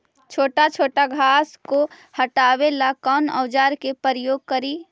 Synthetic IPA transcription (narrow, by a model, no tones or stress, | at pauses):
t͡ʃʰoːʈat͡ʃʰoːʈaɡʱaːsko | həʈaːwelakɔnə̰ːd͡ʒaːɾkepəɾəjoːɡ̚kəɾiː